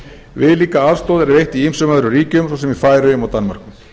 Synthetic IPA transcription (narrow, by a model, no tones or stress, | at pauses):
vɪðliːkaaðst̪owðɛɾɪɾejht̪iimsʏmaðʏɾʏɾiːcʏmsowsɛmifaːjɾʏjʏmawt̪anmaɾ̥kʏm